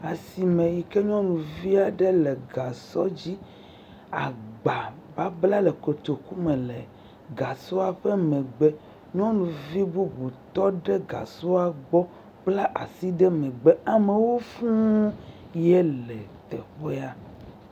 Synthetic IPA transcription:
a˨si˨mẽ˨ji˨ke˦ɲɔ̃˦nũ˨vi˦a˨ɖe˦lɛ˨ɡa˨sɔ˦d͡ʑi˦ | a˨ɡ͡ba˨ | ba˦bla˦lɛ˨ko˨t̪o˨ku˦mɛ˨lɛ˨ | ɡa˨so˦a˨ɸɛ˦mɛ̃˨ɡ͡bɛ˦ | ɲɔ̃˦nũ˨vi˦bu˦bu˨t̪ɔ˦ɖɛ˦ɡa̰˨so˦a˨ɡ͡bɔ˦ | k͡pla˦ʔa˨si˦ɖɛ˦mɛ̃˨ɡ͡bɛ˦a˨me˨wo˦fũ˦ | jɛ˦lɛ˨t̪ɛ˨ɸe˦a˦

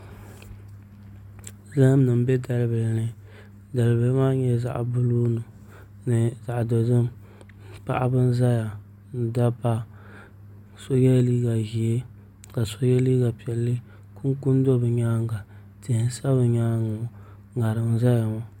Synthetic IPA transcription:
za˦hm˦nɨ˨m˦bɛ˦da˨lbɛ˨lnɨ˦ | da˨lbɨ˨lmaː˦ɲɛ˦za̰˨ʔbʊ˦lu˦nɨ˨ | nɨ˨za˨ʔdo˨dɨ˦m | pa̰˦ʔa˦bɨ˦n˦za˦ja˨ | n̩˨da˦pa˦ | so˦jɛ˦liː˦ɡa˨ʒi˨e˦ | ka˨so˦jɛ˦liː˦ɡa˨pi˨ɛ˨lːɨ˦ | ku˦ŋ˦ku˦n˦do˦bɨ˨ɲaː˦ŋɡa˨ | tɪ˨hɪ˦sa˦bɨ˨ɲaː˦ŋʊ˨ | ŋa˨ɾɨ˨m˦za˦ja˨ma˨

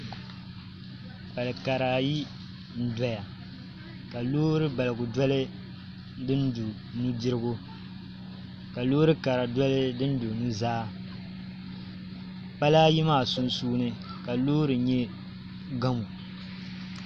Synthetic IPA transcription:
pa˨lɨ˨ka˨ɾa˨ji˦ | n̩˦˨da˨ja˨ | ka˨loː˦ɾɨ˦ba˨lɨ˨ɡʊ˨dɔ˦lɨ˦ | dɨ˦ndu˨ | nu˦di˦ɾɨ˦ɡʊ˦ | ka˨loː˦ɾɨ˦ka˨ɾa˨dɔ˦lɨ˦dɨ˦n˦do˨nu˦zaː˦ | pa˦la˦ji˦maː˦˨su˦nsuː˦nɨ˦ | ka˨loː˦ɾɨ˨ɲɛ˦ | ɡa˦mu˨

